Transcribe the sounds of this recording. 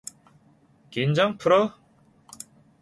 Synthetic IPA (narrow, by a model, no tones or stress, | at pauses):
kind͡ʑaŋpʰɯɾʌ